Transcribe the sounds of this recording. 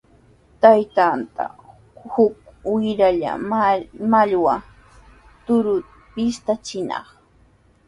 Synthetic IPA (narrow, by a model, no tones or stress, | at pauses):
t̪ajt̪ant̪a̰ | hʊkwɪɾaʎa̰ | maʎwa | t̪ʊɾʊ | pɪst̪at͡ʃɪnɑ̰χ